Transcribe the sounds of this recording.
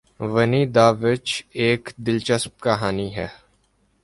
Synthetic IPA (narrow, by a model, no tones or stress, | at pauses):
ʋɐnid̪aːʋɪt͡ʃeːkd̪ɪlt͡ʃəsp̚kɐɦaːniɦɛː